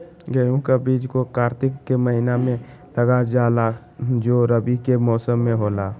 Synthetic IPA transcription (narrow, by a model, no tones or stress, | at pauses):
ɡəjũkabiːd͡ʒkokaːɾt̪ɪkːeməɦinamẽ | ləɡad͡ʒaːla | d͡ʒoːɾəbikemɔːsəmːẽɦoːlaː